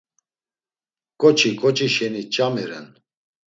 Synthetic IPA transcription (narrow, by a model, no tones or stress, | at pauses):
kʼɔt͡ʃʰikʼɔt͡ʃʼiʃɛnit͡ʃʼamɛɾɛn